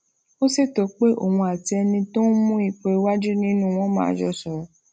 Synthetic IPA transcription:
o˦se˦˨to˨k͡pe˦ʔo̰˨wũ˧a˨ti˧ɛ˧nĩ˧to˦mũ˦i˦˨k͡pe˧wa˦d͡ʒu˦nĩ˦nũ˦˨w̃ɔ̃˦mã̰ː˨˧˨d͡ʒɔ˧sɔ˨ɾɔ˨˦

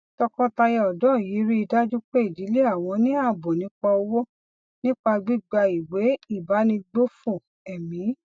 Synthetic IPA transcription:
tɔ˧kɔ̃˦ta˧jɛ˧ɔ˨dɔ̃˦˨ji˨˦ɾi˦i˧da˦d͡ʒu˦k͡pe˦i˦˨di˨˦le˦a˦˨w̃ɔ̃˧nĩ˦a˦˨bo˨nĩ˨˦k͡pɔ˧o˧wo˦ | nĩ˦k͡pa˧ɡ͡bi˦ɡ͡ba˧i˨we˨˦i˦˨ba˨˦nĩ˧ɡ͡bo˦fu˦˨ | ɛ˨mĩ˨˦

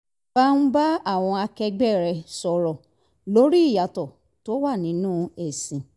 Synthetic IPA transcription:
a˦n̩˦ba˦a˦˨w̃ɔ̃˧a˧kɛ˧ɡ͡bɛ˦˨ɾɛ˧sɔ˧ɾɔ˨ | lo˨˦ɾi˦i˦˨ja˨tɔ˨ | to˦wa˦˨nĩ˨˦nũː˦e˦˨sĩ˨

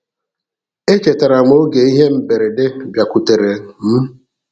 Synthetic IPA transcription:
e˦t͡ʃe˨ta˨ɾa˨mo˦ɡe˨i˦ɦe˦m̩˦be˨ɾe˨dɪ˦bja˨ku˨te˨ɾe˨m̩˦

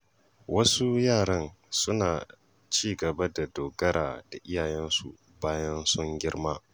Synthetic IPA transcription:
wɐ˦su˦jaː˦˨ɽɐ˦nsʊ˦naː˨ | t͡ʃiː˦ɡɐ˨ba˦da˨doː˨ɡɐ˦ɾa̰ː˨d̥a˨ʔɪ˦jaː˨jɛ˦nsṵ˨ | baː˦jɐ˦nsʊ˦ŋɡʲɪ˦ɽmaː˦

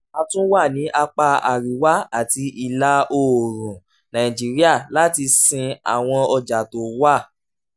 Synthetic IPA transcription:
a˧tũ˦wa˦˨nĩ˨˦ʔa˧k͡pa˧a˨ɾi˨wa˦a˦˨ti˧ʔi˨la˦o˦˨ɾũ˨ | nã˨ĩ˨d͡ʒi˨˦ɾi˦a˦˨la˦ti˧sĩ˧a̰˨w̃ɔ̃˧ɔ˧d͡ʒa˨to˨˦wa˦˨

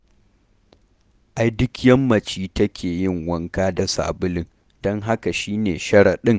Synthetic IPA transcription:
ʔa˦jdʊ˦kjɐ˦mːɐ˨t͡ʃiː˦tɐ˦kʲʰeː˨jɪ˦˨ŋwɐ˦ŋkaː˦da˨sa̰ː˨bʊ˦lɪ˦ŋ | d̥ɔ˦ŋɦa˦ka˨ʃiː˦neː˨ʃɐ˦ɽa˨ɗɪ˦ŋ

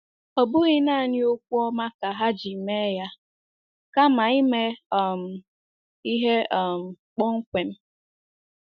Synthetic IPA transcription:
o˨bʊ˦ɣɪ˦na˦a˨ɲɪ˦o˦kʷu˦ɔ˦ma˦ka˨ɦa˦d͡ʒi˨me˦ja˦ | ka˦ma˨i˦me˦ɔ˨m̩˨ | i˦ɦe˦˨m̩˨ | k͡pɔ˦ŋ̩˦kʷe˨m̩˦

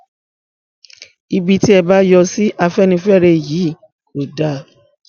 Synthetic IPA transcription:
i˧bi˧ti˦ɛ˧ba˦jɔ˧si˦ʔa˧fɛ˦nĩ˧fɛ˦ɾe˧˨jiː˨˦˨ | ko˨da˦˨

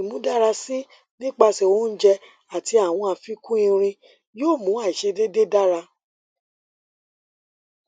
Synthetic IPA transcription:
mũ˨˦da˦ɾa˧si˦ | nĩ˦k͡pa˧se˧˨wõ˦n̩˦d͡ʒɛ˧ | a˨ti˧˦a˨w̃ɔ̃˧a˧fi˦kũ˦ĩ˧ɾ̃ĩ˧ | joː˦˨mũ˨˦a˦˨i˨ʃe˧de˦de˦da˦ɾa˧

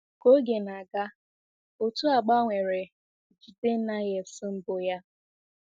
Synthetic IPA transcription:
ko˦ɡe˨na˨ɡa˦ | o˨tu˦a˨ɡ͡ba˦ŋʷe˨ɾe˨ | d͡ʒi˨te˦n̩˦na˦je˨sɪ˦m̩˦bʊ˨ja˦

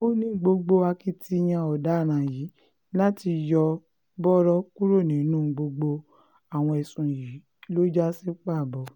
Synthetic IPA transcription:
o˦nĩ˦˧˦ɡ͡bo˧ɡ͡bo˧a˧ki˧tʰi˧j̃ã˧ɔ˨da˨˦˨ɾ̃ã˨ji˨˦ | la˦ti˧jɔ˧ | bɔ˦ɾɔ˦ku˦ɾo˦˨nĩ˨˦nũ˦˧ɡ͡bo˧ɡ͡bo˧ | a˨w̃ɔ̃˧ɛ˨sũ˨ji˨˦ | lo˦d͡ʒa˦si˦k͡pa˦˨bɔ˨

